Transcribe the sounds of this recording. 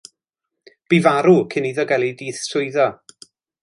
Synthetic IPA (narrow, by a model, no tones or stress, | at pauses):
b̥ivaɾukʰɪniːðɔɡɛlˠidiːθsʊɨðɔ